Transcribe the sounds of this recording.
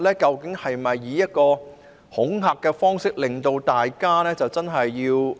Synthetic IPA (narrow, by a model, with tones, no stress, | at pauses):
lɛː˥kɐ˧wkɪ˨˥ŋhɐ˨jmɐ˨jːiː˨˧˦jɐ˥t̚kɔː˧ | hʊ˨˥ŋɦaː˨kːɛː˧fɔː˥ŋsɪ˥k̚lɪ˨ŋt̪o˧wt̪aː˨jkaː˥nɛː˥t͡sɐ˨wt͡sɐ˥nɦɐ˨jːiː˧w